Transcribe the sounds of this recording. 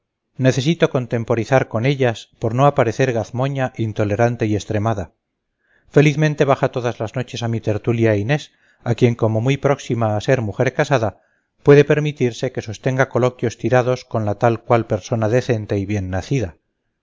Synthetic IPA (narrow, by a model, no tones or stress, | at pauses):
ne̞θe̞s̬it̪o̞ko̞nt̪e̞mpo̞ɾiθaɾko̞ne̞ʎaspo̞ɾno̞apaɾe̞θe̞ɾɣaθmo̞ɲaʔint̪o̞le̞ɾant̪e̞ie̞st̪ɾe̞maða | fe̞liθmẽnt̪e̞βaxat̪o̞ðazlazno̞t͡ʃe̞samit̪e̞ɾt̪uljaine̞s | akje̞ŋko̞mo̞mujpɾo̞ksimaːse̞ɾmuxe̞ɾkasaða | pwe̞ðe̞pe̞ɾmit̪iɾse̞ke̞so̞st̪e̞ŋɡako̞lo̞kjo̞st̪iɾað̞o̞sko̞nlat̪alkwalpe̞ɾso̞naðe̞θe̞nt̪e̞iβje̞nːaθiða